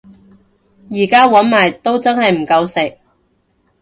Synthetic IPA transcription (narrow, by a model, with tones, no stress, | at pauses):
jiː˨˩kaː˥wɐ˨˥nmaː˨˩jt̪o˥wt͡sɐ˥nhɐ˨jm̩˨˩kɐ˧wsɪ˨k̚